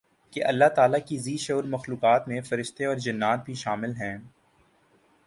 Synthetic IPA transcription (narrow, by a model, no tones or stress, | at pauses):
keʔɐlːaɦt̪aːlakiziːʃoːɾmɐxluːqaːt̪mẽfɐɾɪʃt̪eɔːɾd͡ʒɐnːaːt̪̚bʱiʃaːmɪlɦɛ̃ː